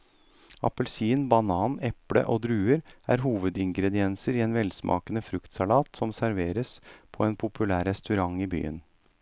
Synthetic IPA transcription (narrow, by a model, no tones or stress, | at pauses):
ɑ̰pəlsiːnbɑnɑːnɛpɽə̰ʔoːd̪ɾʉːəɾæ̰ːɾɦuːʋəd̪ɪŋɡɾɛd̪ɪɛnsəɾiːeːnʋɛlsmʔɑ̰ːkənəfɾʉkt̪sɑlɑːt̪sɔmsæɾʋeːɾəspʰɔeːnpʰʊpʰʉlæːɾɛst̪ʉɾɑŋiːby̰ːə̰n